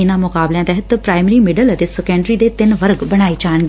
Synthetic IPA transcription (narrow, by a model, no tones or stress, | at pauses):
ɪnãmʊkaːbljãt̪ɛɦət̪pɾaːɪmɾimɪɖələt̪esɪkə̃ɳɖɾid̪et̪ɪnʋəɾɡbɐɽ̃aːit͡ʃaːəñɡ